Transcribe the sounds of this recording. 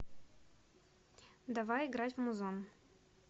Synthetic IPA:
d̪avajɪɡɾatʲvmʊzon

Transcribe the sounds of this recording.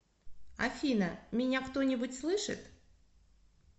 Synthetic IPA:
ɐ̰fʲinəmʲɪnʲakt̪onʲɪbʊtʲslˠɨʂɨ̰t̪

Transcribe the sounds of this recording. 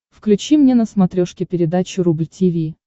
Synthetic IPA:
fklʲʉt͡ɕimnʲenəsmɐt̪ɾʲoʂkʲɪpʲɪɾʲɪd̪at͡ɕʊɾublʲtʲɪvʲi

